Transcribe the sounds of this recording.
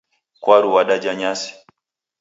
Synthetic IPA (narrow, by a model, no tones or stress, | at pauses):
kwaɾuwaɗad͡ʒaɲasi̥